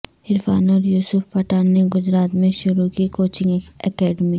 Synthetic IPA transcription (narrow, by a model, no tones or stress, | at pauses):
ɪɾfaːnɔːɾjuːsʊfpɐʈaːɾneɡʊd͡ʒɾaːt̪mẽʃʊɾukikoːt͡ʃɪ̃ŋɡɛkɛːɖmi